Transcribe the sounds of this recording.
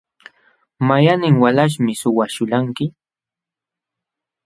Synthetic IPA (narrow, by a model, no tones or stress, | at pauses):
majanɪŋwalaʃ̬mɪsʊwaʃʊʎaŋkɪ